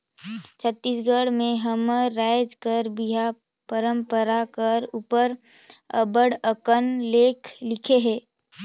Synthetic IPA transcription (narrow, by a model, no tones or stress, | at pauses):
t͡ʃʰət̪ːiːsɡəɽmẽɦəmːaːɪd͡ʒkəɾbiɦa | pəɾə̃mpəɾakəɾupəɾ | əbəɽəkənleːkʰlɪkʰeɦɛ̃ː